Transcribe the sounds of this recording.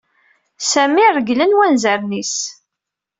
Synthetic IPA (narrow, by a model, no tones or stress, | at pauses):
sæmirəɡlənwænzəɾnis